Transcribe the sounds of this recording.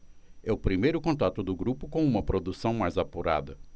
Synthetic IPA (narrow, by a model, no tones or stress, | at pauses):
ɛʊpɾimejɾʊkõnt̪at̪ʊd̪ʊɡɾupʊkõw̃ũmɐpɾod̪usɐ̃w̃majzapuɾa̰d̪ɐ